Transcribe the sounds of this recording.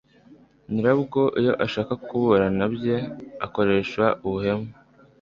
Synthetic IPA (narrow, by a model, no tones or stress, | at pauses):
niɾabɡo̞ʔijo̞ʔaʃaːkakuβoɾanabje̞ako̞ɾe̞ːʃwauβuhe̞me